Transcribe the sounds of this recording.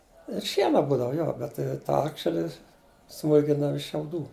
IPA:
ɪr ˈʃʲiɛnɐ ˈbuːdɐʋɐ ˈjoː bʲɛt tɐɪ ˈtɑː ˈɑːkʃʲɛlʲɪ ˈsmuːlʲkʲɪndɐʋɐ ɪʃ ʃʲɛʊˈduː

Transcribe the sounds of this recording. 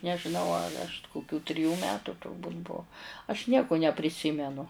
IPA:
nʲɛʒʲɪˈnɐʊ ɐr ɐʃ kʊˈkʲuː tʲrʲɪˈjuː ˈmʲæːtʊ tʊrˈbuːtʲ ˈbʊʊ ɐʃ ˈnʲiɛkʊ nʲɛpʲrʲɪˈsʲɪmʲɛnʊ

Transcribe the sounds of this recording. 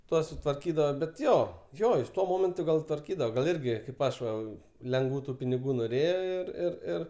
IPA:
ˈtuɔs sʊtʋɐrʲˈkʲiːdɐʋɐ bʲɛt ˈjoː ˈjoː jɪs ˈtuɔ ˈmoːmʲɛntʊ ɡɐlˠ tʋɐrʲˈkʲiːdɐʋɐ ɡɐlˠ ˈɪrʲɡʲɪ kɐɪp ˈɐʃ ʋɐ lʲɛŋɡˈʋuː tʊ pʲɪnʲɪˈɡuː noːˈrʲeːjoː ɪr ɪr ˈɪr

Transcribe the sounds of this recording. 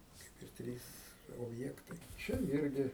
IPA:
ˈkɐɪp ɪr ˈtʲrʲiːs oːbʲˈjæːktɐɪ ˈt͡ʃʲɛ ˈɪrʲɡʲɪ

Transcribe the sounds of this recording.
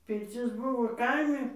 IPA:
pʲɪrʲˈt͡sʲɪs ˈbʊʋoː ˈkɐɪmʲɪ

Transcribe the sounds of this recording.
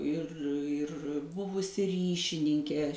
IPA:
ɪr ɪr ˈbʊʋʊsʲɪ ˈrʲiːʃʲɪnʲɪŋʲkʲeː

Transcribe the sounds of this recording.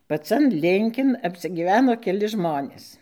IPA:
pɐˈt͡sɐn ˈlʲɪŋʲkʲɪn ɐpʲsʲɪɡʲiːˈʋʲæːnoː kʲɛˈlʲɪ ˈʒmoːnʲeːs

